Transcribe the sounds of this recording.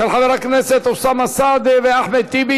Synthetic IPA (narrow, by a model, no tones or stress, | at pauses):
alħaveɾakneset̪osamasad̪veaħmet̪ːibi